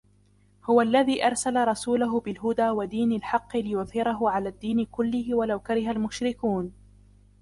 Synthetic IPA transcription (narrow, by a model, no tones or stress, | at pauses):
hʊwalːaðiːʔɑɾˤsalaɾˤɑsuːlʊɦʊbɪlɦʊd̪aːwad̪iːnalħɑqːɨlɪjʊθhɪɾɑɦʊʕalaːd̪ːiːnɪkʊlːɪhɪwalawkaɾɪɦalmʊʃɾɪkuːn